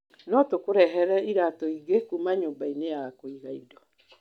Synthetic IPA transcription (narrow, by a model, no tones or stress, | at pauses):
nɔtokoɾɛɦɛɾɛiɾatɔiɣekumaɲoːbaineakoiɣaidɔ